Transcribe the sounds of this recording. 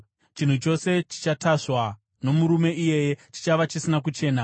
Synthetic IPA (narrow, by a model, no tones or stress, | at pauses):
t͡ʃin̤ut͡ʃo̞se̞t͡ʃi̥t͡ʃataʂwa | no̞muɾume̞ije̞jet͡ʃi̥t͡ʃaʋat͡ʃisinak̬ut͡ʃe̞ːna